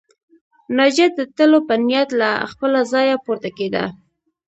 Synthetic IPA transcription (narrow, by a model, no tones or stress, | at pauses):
nɑd͡ʒat̪̚d̪ət̪əlopənijat̪laxpəlazɑjapoɾt̪aked̪a̰